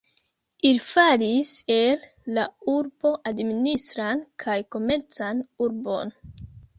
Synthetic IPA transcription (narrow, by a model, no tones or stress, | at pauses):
ilfaɾise̞lː | auɾbo̞ʔadministɾankʰajko̞me̞ɾt͡sanuɾbo̞̰n